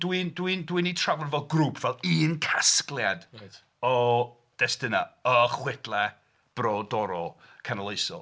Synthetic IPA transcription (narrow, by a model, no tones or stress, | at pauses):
d̥windwindwinitʰravɔnvɛlˠɡruːpʰv̥ɛlˠiːnkʰasklˠjad | ɔ | d̥ɛstɪnaəχwɪdlˠɛ | b̥rɔdɔɾɔkʰanalˠejsɔ̰lˠ